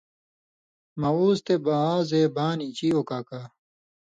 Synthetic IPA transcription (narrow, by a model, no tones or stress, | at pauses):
mɐuːst̪ebaaːzeːbaːnit͡ɕioːkaːkaː